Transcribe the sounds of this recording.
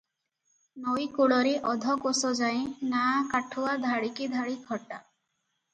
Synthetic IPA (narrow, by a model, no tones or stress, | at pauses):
nɔjkuɭɔɾiʔɔd̪ʱɔkosɔd͡ʒaj̃nakaʈʰuad̪ʱaɽikid̪ʱaɽikʰɔʈa